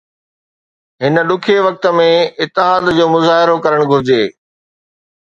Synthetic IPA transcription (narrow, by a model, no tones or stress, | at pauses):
ɦɪnə̆ɗʊkʰeʋɐk̚t̪ə̆mẽɪt̪ːɪɦaːd̪d͡ʑoːmʊzaːɦɪɾokɐɾəɽ̃ɡʱʊɾɪd͡ʑeː